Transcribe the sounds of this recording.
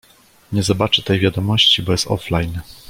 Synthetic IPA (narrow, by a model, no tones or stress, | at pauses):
ɲɛzɔbat͡ʂɘt̪ɛjvʲjad̪ɔmɔɕt͡ɕibɔjɛst̪ɔ̰flajn